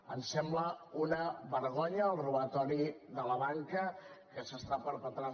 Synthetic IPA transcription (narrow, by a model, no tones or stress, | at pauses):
ənsɛmbləunəβəɾɣɔɲəːlˠruβət̪ɔɾiðələβaŋkəkəsəst̪apəɾpət̪ɾa